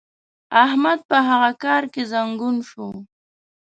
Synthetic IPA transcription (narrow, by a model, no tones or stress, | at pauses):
ahmad̪̚pəɦaɣakɑɾkezaŋɡunʃo